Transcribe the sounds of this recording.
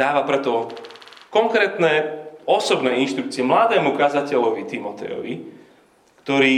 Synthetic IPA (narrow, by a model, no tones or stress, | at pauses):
aːʋapɾɛt̪ɔ | kɔŋkɾɛːt̪nɛɔsɔbnɛːinʃt̪ɾuk̚t͡siɛmlad̪ɛːmukazacɛʎɔʋit̪imɔt̪ɛ̰jɔ̰ʋi | kt̪ɔɾiː